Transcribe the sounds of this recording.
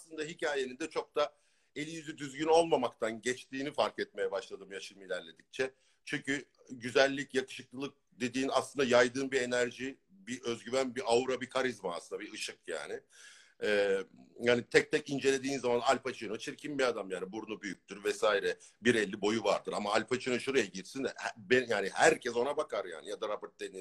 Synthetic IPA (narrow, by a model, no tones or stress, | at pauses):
aslˠɯnd̪aɦicʰaːje̞nind̪ɛt͡ʃʰo̞k̚t̪a | e̞lʲːijyzyd̪yzɟyno̞lˠmamakt̪ʰanɟɛt͡ʃt̪ʰiːnifaɾkɛt̪̚me̞jɛbaʃlˠad̪ɯːmjaʃɯmɯilʲæɾlʲe̞d̪ic̚t͡ʃʰɛ | t͡ʃʰyɲcy | ɟyzælʲːicjakɯ̥ʃɯk̚lˠɯlˠɯk̚d̪e̞d̪iːnaslɯnd̪ajajd̪ɯːnbie̞næɾʒi | biʔø̞zɟyvænbiauɾabikʰaɾizmaa̰ːsˠɯnd̪abiɯʃɯk̚ja̰ːnɪ | ɛːjhaːnit̪ʰɛc̚t̪ʰɛcind͡ʒe̞lʲe̞d̪iːnzamanalʲfat͡ʃʰɯnɯt͡ʃʰiɾcʰimbiad̪amjaːnibuɾnubyjyc̚t̪ʰyɾvɛsaːiɾɛbiɾɛlʲːibo̞juva̰ɾd̪ɯɾamaalʲfat͡ʃʰɯnɯʃuɾajaɟiɾsinhbejaːnihæɾcʰɛso̞nabakʰaɾja̰ːnijad̪aɾabɯɾt̪̚d̪eni